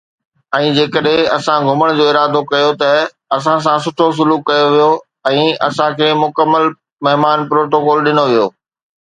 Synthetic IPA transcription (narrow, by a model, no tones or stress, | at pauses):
ɛ̃ːd͡ʑeːkəɗɦẽɐsãɡʱʊməɽ̃d͡ʑoːɪɾaːd̪okɐjot̪ɐ | ɐs̬ãs̬ãsʊʈʰos̬ʊluːkːɐjoʋijo | ɛ̃ːɐ̰sãkʰeːmʊkəmːəl | mɐɦɪmaːnpɾoːʈokɔːlɗɪnoʋijoː